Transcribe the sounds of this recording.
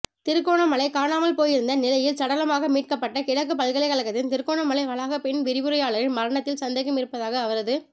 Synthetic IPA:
t̪ɪɾɯkːoːɳɐmɐɭɐɪkaːnaːmɐlpoːjɪɾɯnd̪ɐnɪlɐjɪlsɐɽɐlɐmaːɣɐmiːʈ̚kɐpːɐʈːɐkɪɻɐkːɯpɐlɣɐɭɐɪkɐɭɐkːɐt̪ːɪnt̪ɪɾɯkːoːɳɐmɐɭɐɪʋɐɭaːɣɐpɛɳʋɪɾɪʋɯɾɐjaːɭɐɾɪnmɐɾɐɳɐt̪ːɪlsɐnd̪ɐɪɣɐmɪɾɯpːɐðaːɣɐːʋɐɾɐðɯ

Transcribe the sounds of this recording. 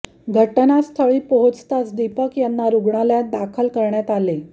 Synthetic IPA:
ɡʱəʈnast̪ʰəɭiːpəɦot͡st̪at͡sd̪ipəkjanːaɾuɡɳaljad̪akʰəlkəɾɳjat̪ale

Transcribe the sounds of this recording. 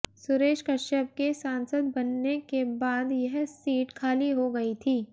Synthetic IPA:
sʊɾeːʃkɐʃəb̚kesãːnsəd̪bɐnːekebaːd̪jɐɦsiːʈkʰaːliɦoɡɐit̪ʰiː

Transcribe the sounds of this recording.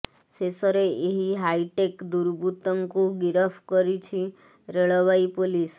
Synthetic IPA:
sesəɾeeɦiɦaiʈekd̪uɾbut̪əŋkũɡiɾəfkəɾit͡ʃʰi | ɾeɭəʋaipolis

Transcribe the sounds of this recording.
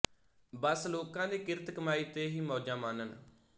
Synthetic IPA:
bəsloːkãːd̪iːkɪɾt̪kəmaːiːt̪eːɦiːmɔːd͡ʒãːmaːnən

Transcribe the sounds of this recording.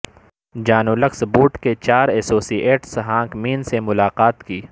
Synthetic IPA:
d͡ʒaːnolɐksbuːʈket͡ʃaːɾɛːsoːsiːeːʈsɦãːkmiːnsemʊlaːqaːt̪kiː

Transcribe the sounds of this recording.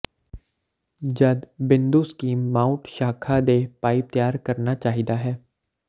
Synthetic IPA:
d͡ʒɐd̪bɪ̃nd̪uskiːmmãːʊʈʃaːkʰad̪epaːɪp̚t̪jaːɾkɐɾnat͡ʃaːɦid̪aɦɛː

